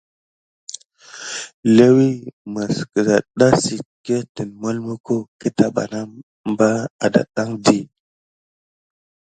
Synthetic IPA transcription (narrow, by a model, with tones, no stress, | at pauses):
le˦wi˦mə˨skə˨za˨ɗa˦si˨ke˦ti˨nmo˦lmu˦ko˦ki˦ta˨ɓa̰˨na˦ | m˦ba˦a̰˨da̰˨ɗa˦ŋdi˦˨